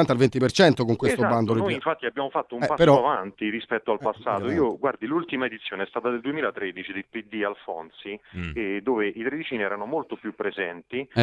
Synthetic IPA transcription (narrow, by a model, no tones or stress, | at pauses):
ant̪alvent̪ipert͡ʃɛnt̪okoŋkwest̪oband̪olnoiiɱfat̪ːiabːjaːmofat̪ːoumɛpapeːɾɔoavant̪irispɛt̪ːoalpasːa̰ːt̪oiːoɡward̪ilult̪imaed̪it̪sːjoːneɛst̪aːt̪ad̪eld̪uemiːlat̪ɾed̪it͡ʃid̪elpid̪ːialfɔ̰nt̪sid̪oːveʔit̪ɾed̪it͡ʃiniɛːɾanomolt̪opjupːɾezɛnt̪i